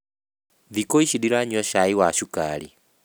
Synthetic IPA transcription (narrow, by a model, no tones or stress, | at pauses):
ðikoiʃidiɾaɲɔʃaiwaʃukali